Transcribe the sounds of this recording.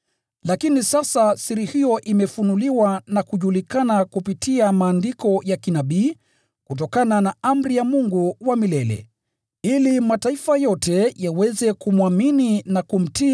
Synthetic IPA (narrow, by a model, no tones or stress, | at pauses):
lakinisasasiɾihijɔʔimɛfunuliwanakuʄulikanakupitiamaːndikɔjakinaɓiː | kut̬ɔkananaam̩ɾijamuŋɡuwamilɛlɛ̰ | ilimataifajɔtʰɛjawɛzɛkumwamininakum̩ti